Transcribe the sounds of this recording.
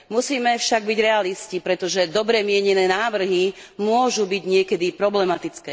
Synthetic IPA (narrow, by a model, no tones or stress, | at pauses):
musiːmɛfʃaɡbiɟɾɛaliscipɾɛt̪ɔʒɛd̪ɔbɾɛmɪɛɲɛnɛːnaːʋr̩ɦi | mʊɔʒubiɟɲɪɛkɛd̪ipɾɔblɛmat̪it͡skɛː